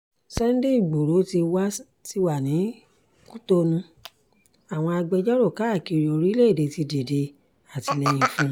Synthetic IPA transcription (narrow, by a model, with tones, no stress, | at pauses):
sɛ˦n̩˦de˦i˦˨ɡ͡bo˨ɾo˨˦ti˧wa˦ | ti˧wa˨nĩ˨˦ | ku˦to˧nũ˧ | a˨w̃ɔ̃˧a˧ɡ͡bɛ˧d͡ʒɔ˦ɾo˦˨ka˨˦˨ki˧˨ɾi˨o˨˧ɾi˦le˦˨de˨ti˧de˨de˧ | a˨ti˧nɛ̃˧jĩ˨˧˨fũ˧˦˧